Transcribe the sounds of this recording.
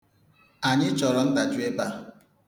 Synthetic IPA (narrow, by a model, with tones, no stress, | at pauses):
a˨ɲɪ˦t͡ʃɔ˨ɾɔ˨n̩˦da˨t͡ʃu˦e˦ba˦